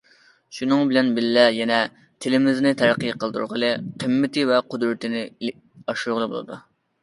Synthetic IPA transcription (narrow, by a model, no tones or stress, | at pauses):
ʃunɨŋbɪlɛnbɪlːɛjɛnɛ | t̪ʰɪlɪmɪznɪt̪ʰæɾqʰəjqʰəlˠd̪ṵɾʁəlˠɨqʰəmːɪt̪ʰɪvɛqʰʊd̪ɾɨt̪ɪnɪ | ɑʃuɾʁəlˠɨbo̰lˠɨ̰d̪ṵ